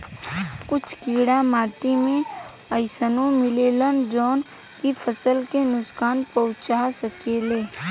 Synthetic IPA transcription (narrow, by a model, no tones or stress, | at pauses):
kʊt͡ʃʰkiːɽamaːʈimẽ | əɪsənõmɪleːlənd͡ʒɔːn | kipʰəsəlkenʊskaːnpəʊt͡ʃasəkeːleː